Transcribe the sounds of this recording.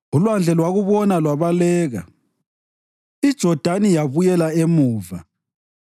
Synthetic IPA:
ulwand͡ɮʱɛlwaɣuβɔnalwaβalɛːɣa̰ | id̥ʒ̥ʱɔd̥ʱanijaβujɛlaemuːva̰

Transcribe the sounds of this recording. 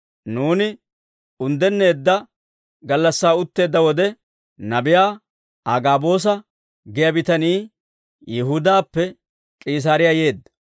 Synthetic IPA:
nuːnɪ | ʊnd̪ɛnːe̞ːd̪ːɐ | ɡɐlːɐsːaːʊt̪ːe̞ːd̪ːɐwɔd̪ɛ | nɐbɪjaː | ʔaɡaːbo̞ːs̬ɐ | ɡɛjɐbɪt̪ɐniː | jɛɦʊd̪aːpːɛ | kʼiːs̬aːɾɪjaje̞ːd̪ːɐ̥

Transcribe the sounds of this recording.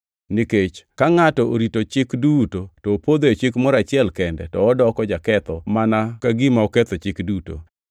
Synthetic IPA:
niket͡ʃkaŋatɔoɾitot͡ʃɪkdutotɔːpod̪oet͡ʃɪkmɔɾat͡ʃɪɛlkɛndɛtɔːdɔkɔd͡ʒakɛt̪ɔmanakaɡimaɔkɛt̪ɔt͡ʃɪkduto̰

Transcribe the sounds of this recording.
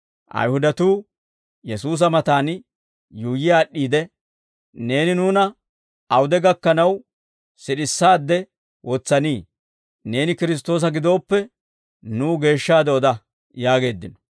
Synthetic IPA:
ʔɐ̰jhʊd̪ɐt̪uː | jɛsuːs̬ɐmɐt̪aːn | juːjɪjaːɗːiːd̪ɛ | ne̞ːnɪnuːnɐ | ɐwʊd̪ɛɡɐkːɐnɐw | sɪɗɪsːaːd̪ːɛ | wɔt͡sːɐniː | ne̞ːnɪkɪɾɪs̬t̪o̞ːs̬ɐɡɪd̪o̞ːpːɛ | nuːɡe̞ːʃːaːd̪ɛɔd̪ɐ | jaːɡe̞ːd̪ːɪnɔ̥

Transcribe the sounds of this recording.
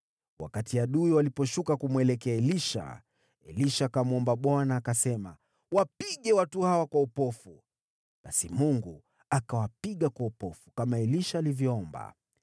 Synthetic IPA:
wʔa̰katiaɗuiwalipɔʃukakumwɛlɛkɛaɛliʃa̰ | ɛ̰liʃakamuɔmbaɓwanaːkasɛma̰ | wapiɠɛwatuhawakwaupɔfu | ɓasimuŋɡu | akawapiɠakwaupɔfu̥kamaɛliʃaːlivjɔɔmba̰

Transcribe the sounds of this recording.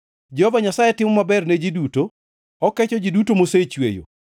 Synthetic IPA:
d͡ʒɛhɔvaɲasajɛtɪmɔmabɛrned͡ʒiduto | ɔkɛt͡ʃɔd͡ʒidutomoset͡ʃwḛjo̰

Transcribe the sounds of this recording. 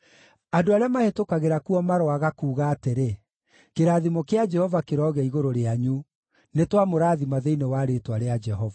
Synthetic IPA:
adoaɾeamahetokaɣeɾakuɔmaɾowaɣakuːɣaːteɾe | keɾaːðimokead͡ʒɛhɔvakeɾɔːɣɛiɣoɾoɾeaɲu | netwamoɾaːðimaðeinewaɾetwaɾead͡ʒɛɦɔva

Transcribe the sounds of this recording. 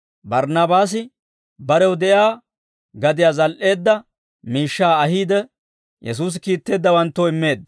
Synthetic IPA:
bɐɾnaːbaːs̬ɪ | bɐɾɛwd̪ɛjaː | ɡɐd̪ɪjaːzɐlʔe̞ːd̪ːɐ | miːʃːaːɐhiːd̪ɛ | jʔɛ̰s̬uːs̬ɪkiːt̪ːe̞ːd̪ːɐwɐnt̪ːoɪmːe̞ːd̪ːɐ

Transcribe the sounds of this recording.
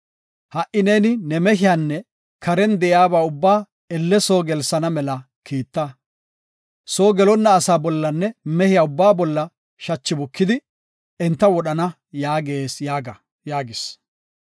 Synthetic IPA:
hɐʔɪneːnɪnɛmɛɦɪjaːnːɛ | kʰɐɾɛnd̪ɛʔjaːbaːʊbːaː | ɛlːɛso̞ːɡɛlsɐnɐmɛlɐ | kʰiːt̪ːɐ | soːɡɛlɔnːɐːsaːbɔlːɐnːɛmɛhɪjaːʊbːaːbɔlːɐ | ʃɐt͡ʃːɪbʊkːɪd̪ɪ | ɛnt̪ːɐwɔɗɐnɐ | jaːɡe̞ːsjaːɡɐ | jaːɡɪs

